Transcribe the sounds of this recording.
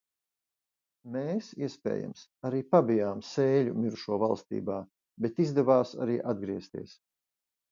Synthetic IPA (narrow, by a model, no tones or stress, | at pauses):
meːsiɛspʲɛ̰ːja̰msaɾiːpabijaːmseːʎṵmʲiɾuʃuɔvalˠst̪ḭːbaː | bet̪izd̪ɛvaːsa̰ɾiːʔad̪̚ɡɾiɛst̪ḭɛs